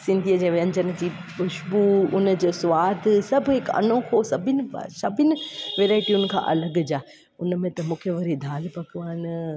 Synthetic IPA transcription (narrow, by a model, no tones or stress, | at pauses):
sɪ̃nd̪ʱiəd͡ʑeːʋɐ̃ɲd͡ʑənd͡ʑiːbʊʃbuʊnə̆d͡ʑoːsʊʋaːd̪ʱsɐbʱɦɪkɐ̰nõkʰosɐbʱɪnɪ̰̆sɐbʱɪnɪ̆ʋeːɾaːɪʈiʊn̆kʰã̰ːʔɐ̰ləɡd͡ʑaː | ʊnmẽt̪ɐmũːkʰeʋɐɾid̪ʱaːlpɐkʰɪʋaːɪn